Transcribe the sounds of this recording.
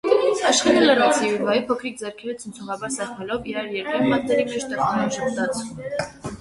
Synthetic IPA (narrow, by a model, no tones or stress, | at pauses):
ɑʃχɛlɛləɾɔsiuɾvaipʰɔkʰɾik̚d͡zɛɾkʰɛlət͡sʰənt͡sʰɔʁɑbɑɾsɑχmɛlɔviɑɾjɛɾkɛnmɑt̪t̪ɛɾikəʃt̪ɛkɑnaʒəpd̪ɑt͡sʰum